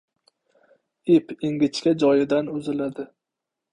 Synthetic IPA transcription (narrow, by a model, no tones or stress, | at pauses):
ipɪŋɡʲɪt͡ʃkʲad͡ʒɒjɪd̪anʊzɪlad̪ɪ